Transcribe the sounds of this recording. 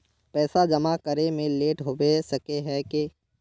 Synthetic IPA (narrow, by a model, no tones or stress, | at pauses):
pɛːsad͡ʒɐmakəɾemẽleːʈɦobesɐkeɦɛke